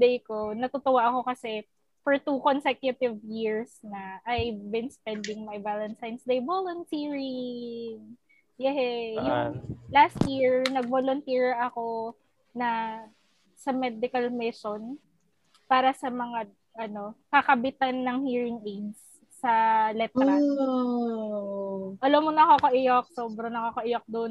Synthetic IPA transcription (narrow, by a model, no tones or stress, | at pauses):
d̪ɛjko̞nɐt̪ot̪ʊwaʔɐko̞kɐsɛ | fɔɹt̪ukonsɛkjʊt̪ɪvjiɹsnɐʔajbɪnspɛnd̪ɪŋmɐjbalɐnsajnsd̪ejbolonsiːɹɪŋ | jɛhɛjʊŋlast̪jiɹnɐɡ̚bolont̪ɛɹʔɐko̞ | nɐ | sɐmɛd̪ɪkɐlmɪson | paːɾɐsɐmɐŋa | ʔɐno̞kɐkɐbɪt̪anːɐŋhiːɹɪŋejdsː | ɐlɛt̪ɾɐ | ʔɐlomonɐkokoʔɪjok̚soːbɾɐnɐkokoʔɪjok̚d̪on